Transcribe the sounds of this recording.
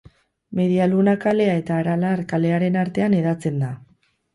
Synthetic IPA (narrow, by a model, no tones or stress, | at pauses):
me̞ðialunakale̞ae̞t̪aːɾalaɾkale̞aɾe̞naɾt̪e̞ane̞ðat͡se̞nd̪a